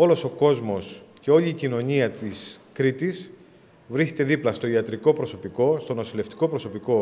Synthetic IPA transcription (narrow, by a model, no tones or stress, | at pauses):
o̞lo̞so̞ko̞zmo̞sce̞o̞ʎiːcino̞ɲiɐt̪iskɾit̪is | vɾiset̪e̞ðiplɐst̪o̞iɐt̪ɾiko̞pɾoso̞piko̞st̪o̞no̞sile̞ft̪i̥ko̞pɾo̞so̞piko̞